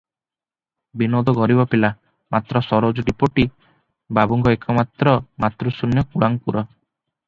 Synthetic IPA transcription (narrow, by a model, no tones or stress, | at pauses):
binod̪ɔɡɔɾibɔpila | mat̪ɾɔsɔɾod͡ʒɔɖipoʈi | babuŋɡɔekʰɔmat̪ɾɔmat̪ɾusunjɔkuɽaŋpuɾɔ